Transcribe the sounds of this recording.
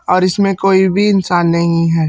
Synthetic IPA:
ɔːɾɪsmẽkoːibʱiɪnsaːnːɐɦĩɦɛː

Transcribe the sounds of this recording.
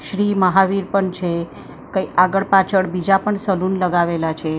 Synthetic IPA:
ʃɾiməɦaʋiɾpəɳt͡ʃʰe | kəiʔaɡəɭpat͡ʃʰəɽbid͡ʒapəɳsəluːnləɡaʋelat͡ʃʰe

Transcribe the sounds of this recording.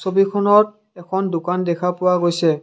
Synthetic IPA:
sobikʰɔnɔt | ɛkʰɔndʊkandɛkʰapʊwaɡojsɛ

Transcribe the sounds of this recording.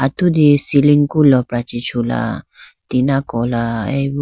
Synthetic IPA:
at̪ud̪isiliŋkulɔpɾat͡ʃit͡ʃʰula̰t̪inakɔlaɛ̰b

